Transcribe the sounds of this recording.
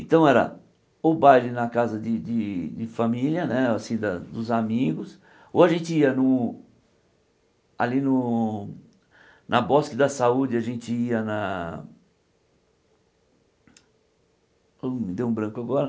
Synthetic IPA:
ẽt̪ɐ̃w̃ɛɾɐ̰ | ʊbajlɪnɐkazɐd͡ʒɪd͡ʒ̪ɪd͡ʒɪfamiljɐnɛasĩd̪ɐd̪ʊzamiɡʊs | owaʒẽnt͡ʃɪiɐnʊ | alinʊ | nʔɐbɔskɪd̪ɐsaud͡ʒɪaʒẽnt͡ʃɪiɐnɐ | omɪd̪ewũbɾɐ̃kʊaɡɔɾɐ

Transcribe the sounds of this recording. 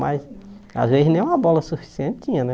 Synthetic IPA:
majs | a̰zvezɪznẽj̃ũmɐbɔlɐsufi̥siẽnt̪tĩɲɐnɛ

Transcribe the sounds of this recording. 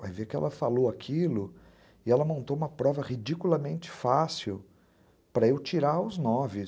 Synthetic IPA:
vajvekɪɛ̰lɐfalowakʰilʊ | ɪɛlɐmõnt̪owũmɐpɾɔvɐʁid͡ʒikulɐmẽnt͡ʃɪ̥fasiw | pɾɐewt͡ʃiɾaʊznɔvɪ

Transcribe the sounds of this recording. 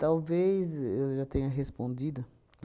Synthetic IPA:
t̪awvejzewʒat̪ẽɲɐɦespõnd̪id̪ʊ

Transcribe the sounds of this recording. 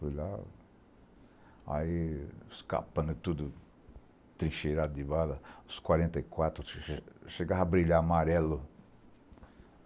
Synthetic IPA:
fojla̰ | a̰iska̰pɐ̃nd̪ʊt̪ud̪ʊ | t̪ɾĩʃeɾad̪ʊd̪ɪbalɐʊskwaɾẽnt̪ɐikwat̪ɾʊʃeɡaɦabɾiʎamaɾɛlʊ

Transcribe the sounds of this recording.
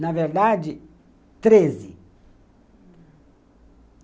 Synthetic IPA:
navɛɾd̪ad͡ʒi | t̪ɾezi

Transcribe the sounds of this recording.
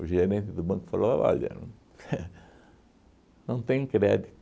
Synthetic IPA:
uʒeɾẽnt̪ɪd̪ʊbɐ̃kʊfaloɐ̰a̰ʎɐ̰̃ | ɛ | nɐ̃w̃t̪ẽj̃kɾɛd̪it̪

